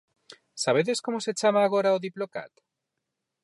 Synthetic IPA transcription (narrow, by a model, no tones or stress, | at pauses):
saβ̞eðeskomoset͡ʃamaːɣoɾaoðiploka̰t̪